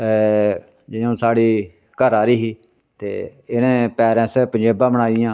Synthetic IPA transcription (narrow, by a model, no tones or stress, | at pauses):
d͡ʒɪjõːsaːɽiː | kəɾaːɾiːɦiː | t̪ḛːɪnẽːpɛːɾɛ̃ːsɛpəɲd͡ʒeːbãːbəɽaːiɪjãː